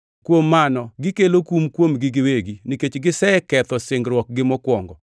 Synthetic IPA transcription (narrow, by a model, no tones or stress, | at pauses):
kwomːanɔɡɪkelokumkwomɡɪɡɪweɡiniket͡ʃɡɪsɛɛkɛt̪ɔsɪŋɡɾwɔk̚ɡɪmɔkwɔŋɡɔ